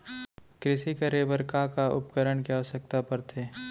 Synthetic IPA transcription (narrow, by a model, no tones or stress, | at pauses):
kɾɪʃikɐɾebəɾkakaʊ̰pkəɾəɳkjaɔsək̚t̪apɐɾt̪ʰeː